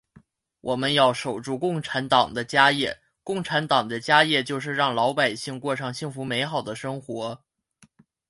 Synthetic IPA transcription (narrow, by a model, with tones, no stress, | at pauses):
wʔɔ˨˩mə˦njɑ˥˩ʊʂo˨˩ʊʈ͡ʂu˥˧kʊ˥˩ŋʈ͡ʂʰa˧˥nt̪ɑ˨˩ŋd̪ə˦t͡ɕja˥jɛ˥˩ | kʊ˥˩ŋʈ͡ʂʰa˧˥nt̪ɑ˨˩ŋd̪ə˦t͡ɕja˥jɛ˥˧t͡ɕjo˥˧ʊʂ̬ɻ̩˥˧ɻɑ˥˩ŋlɑ˧˥ʊpa˨˩ɪɕi˥˧ŋkwɔ˥˧ʈ͡ʂʰɑ˥˧ŋɕi˥˩ŋfu˧˥me˧˥ɪxɑ˨˩ʊd̪ə˦ʂɤ˥ŋxwɔ˧˥